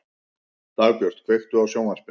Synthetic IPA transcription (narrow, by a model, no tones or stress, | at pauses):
t̪aːɣpjœr̥t̪̚kʰvejxt̪ʏawsjoːwŋaspɪ